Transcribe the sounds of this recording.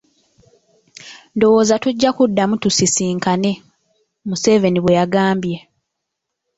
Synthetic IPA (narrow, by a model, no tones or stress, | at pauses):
ndo̞wo̞ːzatuɟːakudːamutusisiːŋkane̞ | muse̞ve̞niβwe̞jaɡaːmbje̞